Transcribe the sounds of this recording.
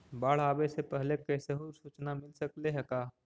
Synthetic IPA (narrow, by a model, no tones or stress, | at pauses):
baːɽ̤aːbesepɛɦlekɛseɦuːɾsuːt͡ʃnamɪlsəkleɦɛkaː